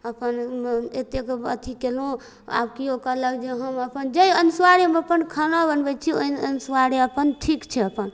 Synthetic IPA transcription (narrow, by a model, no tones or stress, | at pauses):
əpənet̪ekə̰t̪ʰikelõ | a̰bkiokələɡd͡ʒeɦəməpənd͡ʒəjənswaɾemeəpənkʰənabənbɛt͡ʃʰioiənswaɾeəpənʈʰikt͡ʃʰɛəpən